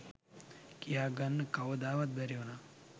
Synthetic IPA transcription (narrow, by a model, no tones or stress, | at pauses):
kijaːɡɐnːkɐwod̪aːʋɐt̪̚bɐɾjoːna